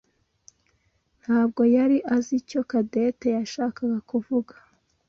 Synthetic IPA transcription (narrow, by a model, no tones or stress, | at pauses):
n̥haːb̚ɡo̞jaɾiʔazico̞kade̞te̞jaʃaːkaɡakuvuɡḁ